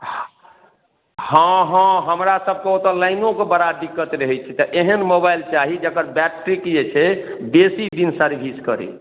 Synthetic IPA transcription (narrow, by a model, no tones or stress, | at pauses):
hə̃ɦə̃ɦəmɾasəb̚ʱkeot̪ɔlaɪnõkebəɾad̪ikːət̪ɾəɦɛt͡ʃʰɛt̪ɔʔeɦənmobajlt͡ʃaɦid͡ʒəkəɾbɛʈɾikjet͡ʃʰɛbesid̪insəɾbʱiskəɾḛ